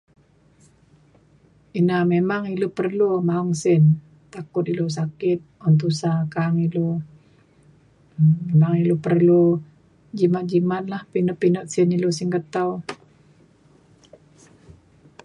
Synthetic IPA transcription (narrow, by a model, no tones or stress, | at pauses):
inamemaŋilupərlumauŋsɪn | t̪akʊt̪ilos̬akɪt̪̚ɔnt̪̬usakaŋilo | memaŋilupərlu | d͡ʒimat̪̚d͡ʒimat̪̚lahpinɔʔpinɔʔ̪sɪnilosiŋkət̪aw